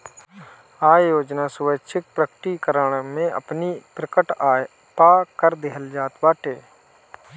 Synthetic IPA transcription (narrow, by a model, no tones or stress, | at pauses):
aːjoːd͡ʒnasʊʋətːʃʰɪk̚pɾəkʈikəɾəɳ̃mẽʔə̰pnipɾəkəʈː | paːkəɾd̪ɪɦəld͡ʒaːt̪baːʈeː